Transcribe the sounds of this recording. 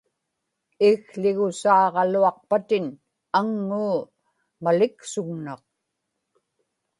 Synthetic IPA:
ɪɣɬɪɣʊsɑːʁɑluɑq̚pat̪ɪn | aŋːuː | malɪksʊɣnɑq̚

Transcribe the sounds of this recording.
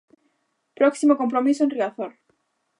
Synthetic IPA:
pɾoksimoko̞mp̬ɾomisoẽnriaθol

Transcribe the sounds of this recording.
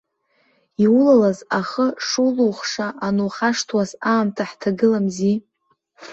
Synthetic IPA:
iwulalazaχəʂuluwχʂaʔanuχaʂtʰwasaːmtʰaħtʰaɡɨlamzi

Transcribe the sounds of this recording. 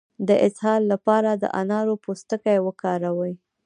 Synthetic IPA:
d̪əʔɪshɑlːapɑɾad̪ə̰ʔa̰nɑɾopost̪əkajwəkɑɾawəj

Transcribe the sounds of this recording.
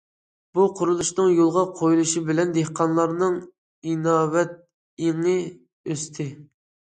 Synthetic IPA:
b̥uqʰʊɾulˠuʃnɨŋjolˠʁɑqʰojulˠuʃibɪlɛnd̪ehqʰɑnlˠɑɾnɨŋ | inɑːwɛt̪̚ | jeŋɨ | øst̪ʰɪ

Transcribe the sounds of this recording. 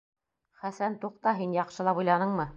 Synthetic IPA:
χæsænt̪uqt̪ɑɦinjɑqʃɤ̆lˠɑpujlˠɑnɤɴmɤ

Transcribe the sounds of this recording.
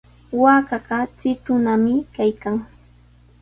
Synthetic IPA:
waːkɑɢɑt͡sɪt̪ʊnamɪkajkaŋ

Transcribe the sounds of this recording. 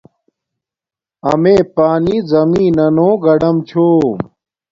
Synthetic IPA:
ɐ̰meːpaːniːzɐmiːnɐnõːɡɐɖɐmt͡ɕʰoː

